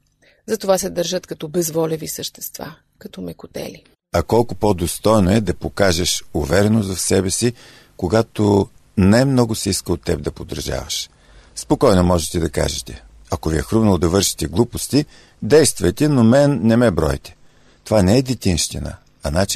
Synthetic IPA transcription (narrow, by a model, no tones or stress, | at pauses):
zɐt̪ovasɛd̪əɾʒət̪kɐt̪ɔbɛzvɔlɛvisəʃt̪ɛ̥st̪va̰ | kɐt̪ɔmɛkʊt̪ɛ̰li | ɐkɔlˠkʊpɔd̪ost̪ɔjnoɛd̪ɐpokaʒɛʃʊvɛɾɛnozɐfsɛbɛsi | koɡat̪o | nɛɛmnɔɡʊsɛiskəlˠot̪ːɛb̚d̪ɐpod̪ə̰ɾʒa̰vɐ̰ʃ | spokɔjnomɔʒɛt̪ɛd̪ɐka̰ʒɛt̪ɛ | ɐkoviɛxɾuvnɐlˠod̪ɐvɤɾʃi̥t̪ɛɡlˠupost̪i | d̪ɛjst̪vɐjt̪ɛnomɛnːɛmɛbɾɔ̰jt̪ɛ̥ | t̪ovanɛɛd̪it̪inʃt̪inə̰ | ɐnat͡ʃ